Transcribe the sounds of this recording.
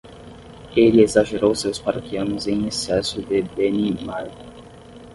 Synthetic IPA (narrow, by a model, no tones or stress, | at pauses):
eliezaʒeɾowsewspaɾokiɐ̃nʊzẽj̃esɛsʊd̪ɪbenimaj